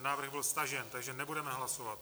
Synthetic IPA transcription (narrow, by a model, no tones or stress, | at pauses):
naːvr̩ɣbɪlst̪aʒɛnt̪aɡʒɛnɛbudɛmɛɦlasovat̪